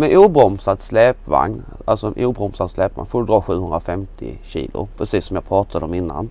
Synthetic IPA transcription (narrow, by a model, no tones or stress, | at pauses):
mɛnʔuːbɾɔmsad̪slɛːpva̰ŋn | alsɔɛnʔuːbɾɔmsad̪slɛːpva̰ŋfoːɾəd̪ɾɑːɧʉ̟ːhɵnd̪ɾafɛmt̪ʰɪ̰ɕḭːlʊ̰pʰɾɛsiːsːɔmjɑːpʰɾɑːt̪ʰad̪əɔmɪnːa̰n